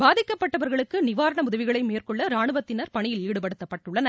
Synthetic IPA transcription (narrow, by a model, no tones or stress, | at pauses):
baːðɪkːɐpːɐʈːɐʋɐɾɣɐɭɯkːɯnɪʋaːɾɐɳɐʊðɐʋɪɣɐɭɐɪmeːrkɔɭːɐɾaːɳɯʋɐt̪ːɪnɐɾpɐɳɪjɪliːɽɯpɐɽɯt̪ːɐpːɐʈːɯɭːɐn